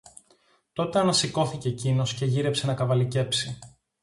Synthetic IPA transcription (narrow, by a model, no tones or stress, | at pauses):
t̪o̞t̪e̞ɐnɐsiko̞θiceːcino̞sce̞ʝiɾe̞pse̞nɐkɐvɐlice̞psi